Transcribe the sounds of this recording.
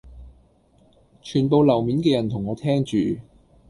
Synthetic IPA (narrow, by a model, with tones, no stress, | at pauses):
t͡ʃʰyː˨˩npo˨˧wlɐ˨˩wmiː˨˥nkɛː˧jɐ˨˩nt̪ʰʊ˨˩ŋɔː˨˧t̪ʰɛː˥ŋt͡ʃyː˨